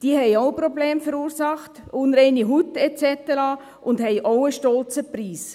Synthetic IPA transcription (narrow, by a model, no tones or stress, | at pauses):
d̥iəhɛɪoʊprɔblɛːmfəɾuːɾsɑχtʊnɾɛɪniɦutɛt͡sɛtəɾɑ | ʔʊndhɛɪʔoʊəʃtɔlt͡səpriːs